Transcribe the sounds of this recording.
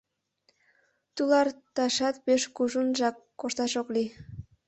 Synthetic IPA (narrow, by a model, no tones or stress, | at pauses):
t̪ulɑrt̪ɑʃɑt̪peʃkuʒunʒɑkːoʃt̪ɑʃokli